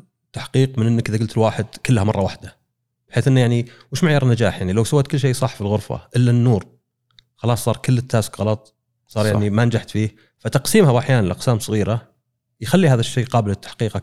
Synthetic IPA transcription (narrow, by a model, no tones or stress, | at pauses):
t̪ːaħqiːqmɪnʔɪnːakʔɪðaɡʊlt̪ɪlwaːħɪd̪kɪlːhamɑrˤːɑwaħd̪a | bħeːθʔɪnːjaʕniwɪʃmaʕjɑːɾˤnːad͡ʒaːħjaʕnilawsawaːt̪kʊlːʃ̬eːsˤɑħfilɣʊɾfa̰ʔɪlːanːuːɾ | xɑlɑːsˤːɑːɾˤkʊlːɪt̪ːaːskɣɑlɑt̪ˤ | sˤɑːɾˤjaʕnimanad͡ʒaħt̪fiː | fat̪ɑqsiːmhabʔaħjaːnanlʔɑqsaːmsˤɨɣiːɾa | jxalːihaːðaʃːeːqɑːbɪlɪt̪ːḁħqiːq